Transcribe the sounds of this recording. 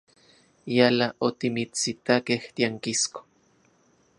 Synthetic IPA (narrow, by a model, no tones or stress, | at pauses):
jalaʔot̪imit͡sit̪akeht̪iaŋkisko̥